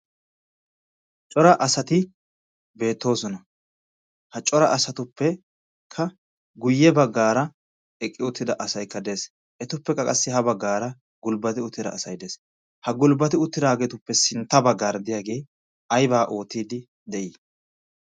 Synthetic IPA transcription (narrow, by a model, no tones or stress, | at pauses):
t͡ʃʼɔɾɐʔɐsɐt̪ɪ | be̞ːt̪ːo̞ːsɔnɐ | hɐt͡ʃʼɔɾɐʔɐsɐt̪ʊpːɛ | kʰːɐ | ɡʊjːɛbɐɡːaːɾɐ | ɛkʼːɪʊt̪ːɪd̪ɐʔɐsɐjkːɐd̪e̞ːs | ʔɛt̪ʊpːɛkːɐkʼɐsːɪɦɐbɐɡːaːɾɐ | ɡʊlbɐt̪ɪʊt̪ʰːɪd̪ɐ̰ːsɐjd̪eːs | hɐɡʊlbɐt̪ɪʊt̪ːɪd̪aːɡɛt̪ʊpːɛsɪnt̪ːɐbɐɡːaːɾd̪ɪjaːɡe̞j | ɐjbaːʔo̞ːt̪ːiːd̪ɪ | d̪ɛʔiː